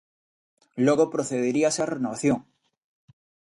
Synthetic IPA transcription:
loɣopɾoθeðeɾiasarenoβaθjoŋ

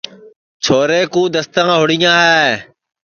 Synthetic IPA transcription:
t͡ʃʰoːɾeːkũːd̪əst̪ãːɦʊɽɪjãːɦɛː

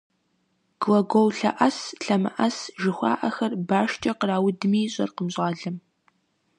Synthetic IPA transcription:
ɡ̥lɐɡʷowɬɐ̰ʔɐsɬɐmɨ̰ʔɐsʒɪxʷɑ̰ːʔɐxɐrbaːʃt͡ʃʼɐqəraːwʊdmiːɕʼɐ̰rqəmɕʼaːɮɐm

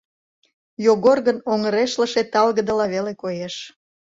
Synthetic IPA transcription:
joɣorɣənoŋəɾeʃləʃet̪ɑlɣəd̪əlɑβelekojeʃ

